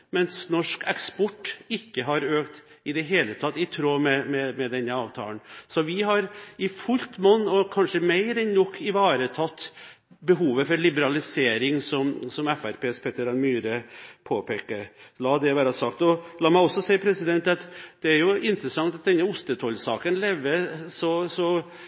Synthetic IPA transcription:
mɛnsnɔʂkɛkspɔʈːɪkːəɦɑɾøːkt̪ | ɪd̪ɛɦeːlət̪ʰɑt̪ːɪt̪ʰɾoːmɛmɛmɛd̪ɛnːəɑːʋt̪ʰɑ̰ːlnsɔʋɪɦɑɾɪfʉlt̪mɔnːɔkʰɑnʂəmæɪɾɛnnɔkʰːɪʋɑːɾət̪ʰɑt̪ː | bəɦuːʋəfɔɾɭɪbəɾɑlɪseːɾɪŋsɔmsɔmɛfæɾpeːspʰɛt̪əɾɑnmyːɾəpʰoːpʰeːkəɾlɑːd̪ɛʋæːɾɑsɑkt̪ɔlɑːmæɪɔsːɔsæɪpʰɾɛsɪd̪ɛnt̪ɑt̪d̪̥ɛæɾjʊʔɪnt̪ɾəsɑŋt̪ɑt̪̚d̪ɛnːəʊst̪ət̪ʰɔlsɑ̰ːkənlɛʋːəsɔsɔ

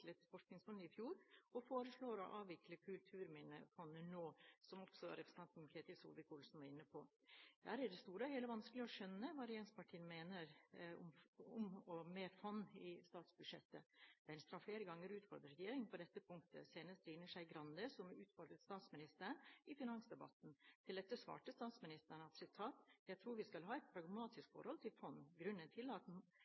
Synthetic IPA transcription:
lət̪fɔʂknɪŋsfɔnəɪfjuːɾɔfoːɾəsɭoːɾɔ̰ʔɑːʋʋɪkləkʰʉlt̪ʰʉːɾmiːnə̰fɔnːənoːsɔmɔksɔɾɛpʰɾəs̩n̩t̪ʰɑnt̪n̩kʰɾɛɑt̪ɪʋsṵːld̪əkʰuːlsn̩ʋɑɾɪnːəpʰɔ | d̪̥æːɾæɖɛst̪uːɾəheːləʋɑnskəlɪɔʂœnːəʋɑːɾɛeːnspɑʈʰiːənmeːnəɾɔ̰mɔmɔmeːfɑnːɪst̪ɑːt̪sbʉdʂɛ̰t̪ːədd̥̪æɪnst̪ɾɑfleːɾəɡɑŋːəɾʉːt̪fɔ̰ɾd̪ɾəɾjeːɾɪŋpʰɔd̪ɛt̪ːəpʰʊŋkt̪ə̰seːnəst̪ɾiːnəʂæɪɡɾɑnd̪əsɔmʉːt̪fɔɾɡ̪ət̪st̪ɑːt̪smɪnɪst̪əɳɪfɪnɑŋsd̪ɛbɑ̰t̪n̩t̪ʰɪld̪ɛt̪ːəsʋɑ̰ːʈəst̪ɑːt̪smɪnɪst̪əɳɑt̪sɪt̪ʰɑːt̪jæt̪ʰɾuːɾʋɪskɑlɦɑːɛɪt̪̚pʰɾɑɡmɑːt̪ɪskfɔ̰ɾhɔlt̪ʰɪlfɔnːɡɾʉnːənt̪ʰɪlɑt̪

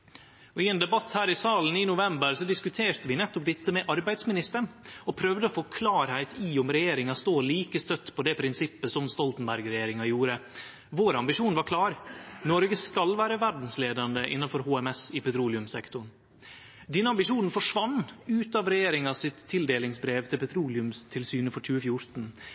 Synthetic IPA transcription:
ɔɪɛːnd̪ɛbɑt̪hæːɾɪsɑːln̩ɪnʊʋɛmbəɾsɔd̪ɪskʉt̪ʰeːɾt̪əʋɪnɛt̪ːʊp̚d̪ɛt̪ːəmɛʔɑɾbæɪd̪smɪnɪst̪əɳɔpʰɾœʋd̪əɔfoːkʰlɑːɾhæɪt̪ʰiːʊmɾɛjeːɾɪŋɑst̪oːliːkəst̪œt̪ːpʰɔd̪ɛːpʰɾɪnsɪpːəsɔmst̪ɔlt̪n̩bæɾɡɾɛjeːɾɪŋɑjuːɾə | ʋoːɾɑmbɪʂuːnʋɑɾkʰlɑːɾnɔɾɡəskɑlʋæːɾəʋæɖn̩sleːd̪ɑnd̪əʔɪ̰nːɑnfɔɾhoːɛmɛsɪpʰɛt̪ʰɾuːlɪʉmsɛkt̪ʊɳ | d̪ɛnːəɑmbɪʂuːnn̩fɔʂʋɑnːʉːt̪ɑːʋɾɛjeːɾɪŋɑsɪt̪ʰːɪld̪eːlɪŋsbɾeːʋt̪ʰɪlpʰɛt̪ʰɾuːlɪʉmst̪ʰɪlsyːnəfɔt͡ʃʉːəfjʊɾt̪n̩

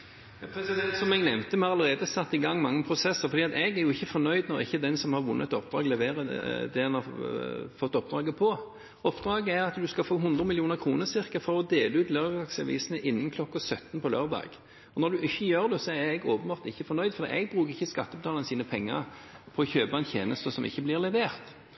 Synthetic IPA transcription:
jpʰɾɛsɪd̪ɛnt̪sɔmɛɡnɛmt̪əmɑʁɑləʁeːd̪əsɑt̪ːɪɡɑŋːmɑŋːəpʰʁʊsɛsːəʁfɔd̪iːɑt̪ɛɡæɾjʊɪçːəfɔnœʏd̪nɔɾɪçːəd̪ɛnsɔmhɑʁʋʊnːəɛt̪ɔp̚d̪ɾɑːɡlɛʋeːʁəd̪ɛɛnhɑ | fɔt̪ːɔp̚d̪ɾɑːɡəpʰɔ | ɔpd̪ɾɑːɡəæɾɑt̪d̪ʉskɑlfoːɦʊnd̪ʁəmɪljuːnəʁkʰʁuːnəsɪʁkəfɔʁɔd̪eːləʉːt̪løːɾd̪ɑɡsɑʋḭːsənəʔɪnːən̩kʰlɔkːɑsœt̪ːnpʰɔlø̰ːʁd̪ɑ̰ːɡ̥ | ɔnɔɾd̪ʉʔɪçːəjøːʁd̪ɛsɔæɛɡoːpənbɑːʁt̪ɪçːəfɔɾnœʏd̪fɔɾd̪ḭːʔɛɡ̚bʁʉːʁɪçːəskɑt̪ːɔbt̪ɑːlnəsiːnəpʰɛŋːə̰ɾpʰɔɔçøːbɑɛnt̪ʰjḛːnəst̪əsɔmʔɪ̰çːəblɪʁlɛʋeːʁt̪

